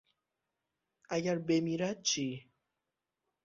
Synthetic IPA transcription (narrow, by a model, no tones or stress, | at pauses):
ajaɾbemiɾat͡ʃi